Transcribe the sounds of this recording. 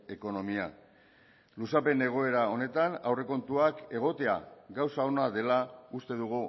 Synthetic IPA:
e̞ko̞no̞mia | lusape̞ne̞ɣ̞o̞e̞ɾao̞ne̞t̪anawre̞ko̞nt̪uake̞ɣ̞o̞t̪e̞a̰ɡawsao̞naðe̞laust̪e̞ðuɣ̞u

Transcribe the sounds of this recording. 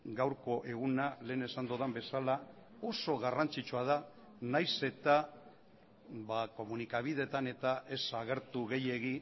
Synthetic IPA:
ɡawɾko̞ʔe̞ɣ̞unale̞ːne̞sand̪oðambe̞salao̞so̞ɣarant͡sit͡ʃuað̞a | najse̞t̪a | βako̞munikaβ̞ið̞e̞t̪ane̞t̪aʔe̞saɣ̞e̞ɾt̪uɣe̞je̞ɣi

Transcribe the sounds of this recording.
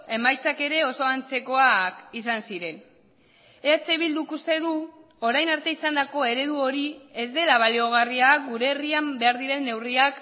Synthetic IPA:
e̞majt͡sake̞ɾe̞o̞so̞ant͡se̞ko̞akisansiɾe̞n | eat͡seβild̪ukust̪e̞ðu | o̞ɾajnaɾt̪e̞isand̪ako̞e̞ɾe̞ðuo̞ɾie̞zd̪e̞laβ̞alio̞ɣ̞ariakɡuɾe̞ːriambe̞aɾðiɾe̞nːe̞wriak

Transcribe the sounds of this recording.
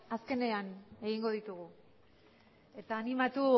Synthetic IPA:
aske̞ne̞ane̞ɣiŋɡo̞ð̞it̪uɣ̞u | e̞t̪aːnimat̪u

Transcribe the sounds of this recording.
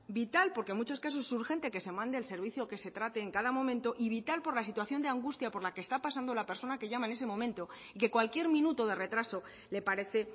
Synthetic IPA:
bit̪alpo̞ɾke̞mut͡ʃo̞skas̬osuɾxe̞nt̪e̞ke̞se̞mãnd̪eːlse̞ɾβ̞iθjo̞ke̞se̞t̪ɾat̪e̞ːŋkað̞amõ̞mẽnt̪o̞ʔiβit̪alpo̞ɾlas̬it̪waθjo̞nd̪eaŋɡust̪japo̞ɾlakest̪apas̬and̪o̞lape̞ɾso̞nake̞ʝamaene̞semõ̞mẽ̞nt̪o̞ | ike̞kwalkje̞ɾmĩnut̪o̞ð̞e̞re̞t̪ɾaso̞ | le̞paɾe̞θe̞

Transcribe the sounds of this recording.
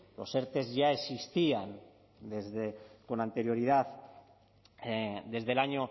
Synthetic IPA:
lo̞̰se̞ɾt̪e̞zʝae̞sist̪ian | d̪e̞zðeko̞nant̪e̞ɾjo̞ɾiðaθ | d̪e̞zðe̞laɲo

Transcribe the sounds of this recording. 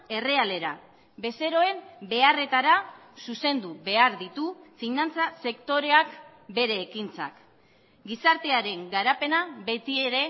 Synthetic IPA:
e̞re̞ale̞ɾa | be̞se̞ɾo̞e̞mbe̞are̞t̪aɾasuse̞nd̪uβe̞aɾðit̪ufinant͡sase̞kt̪o̞ɾe̞ak | be̞ɾe̞ːkint͡sa̰k | ɡisaɾt̪e̞aɾe̞ŋɡaɾape̞naβe̞t̪ieɾe̞

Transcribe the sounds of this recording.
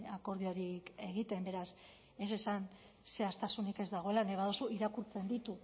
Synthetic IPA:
ako̞ɾð̞io̞ɾike̞ɣ̞it̪e̞mbe̞ɾas | e̞se̞san | se̞ast̪asunike̞zd̪aɣ̞o̞e̞lane̞β̞aðosuiɾakuɾt͡se̞nd̪it̪u

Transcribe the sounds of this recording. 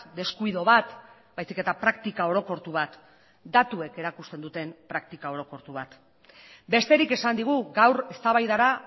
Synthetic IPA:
d̪e̞skuiðo̞βat̪bajsike̞t̪apɾakt̪ikao̞ɾo̞ko̞ɾt̪uβat̪ | d̪at̪ue̞ke̞ɾakust̪e̞nd̪ut̪e̞mpɾak̚t̪ikao̞ɾo̞ko̞ɾt̪uβ̞at̪ | be̞st̪e̞ɾike̞sand̪iɣ̞uɡawɾe̞st̪aβajðaɾa

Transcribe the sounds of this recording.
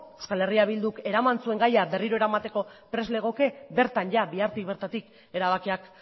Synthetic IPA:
eskale̞riaβ̞ild̪uke̞ɾamansue̞ŋɡajabe̞riɾo̞e̞ɾamat̪e̞ko̞pɾe̞zle̞ɣ̞o̞ke̞be̞ɾt̪anʝabiaɾt̪ikβe̞ɾt̪at̪ik | e̞ɾaβ̞akiak

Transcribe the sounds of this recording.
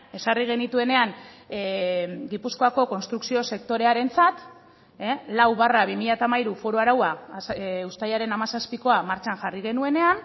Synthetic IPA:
e̞sariɣ̞e̞nit̪ue̞ne̞aŋ | ɡipusko̞ako̞ko̞nst̪ɾuksio̞se̞kt̪o̞ɾe̞aɾe̞nt͡sat̪ | elawβaraβimiʎat̪amaiɾufo̞ɾoaɾawa | ust̪ajaɾe̞namasaspiko̞amaɾt͡ʃanʝariɣ̞e̞nue̞ne̞an

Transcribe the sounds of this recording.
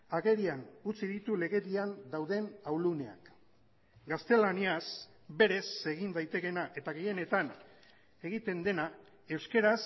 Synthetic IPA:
aɣe̞ɾianut͡siðit̪ule̞ɣe̞ɾiand̪awðe̞nawlune̞a̰k | ɡast̪e̞lanias | be̞ɾe̞se̞ɣ̞ind̪ajt̪e̞ke̞naʔe̞t̪aɣeje̞ne̞t̪an | e̞ɣ̞it̪e̞nd̪e̞na | e̞wske̞ɾas

